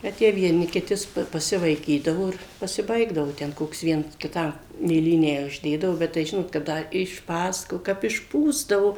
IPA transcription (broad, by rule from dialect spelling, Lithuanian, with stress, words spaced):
ˈbʲɛt jiɛ ʋʲiɛˈnʲɪ kʲɪˈtʲɪ s pɐ pɐsʲɪʋɐɪˈkʲiːdɐʋoː ˈɪr pɐsʲɪˈbɐɪɡdɐʋoː ˈtʲɛn ˈkoːks ˈʋʲiɛns kʲɪˈtɐm mʲeːˈlʲiːnʲæː ʊʒʲˈdʲeːdɐʋoː ˈbʲɛt tɐɪ ˈʒʲɪnoːt kɐ ˈdɐ ɪʃˈpɑːsɐkoː kɐp ɪʃˈpuːzdɐʋoː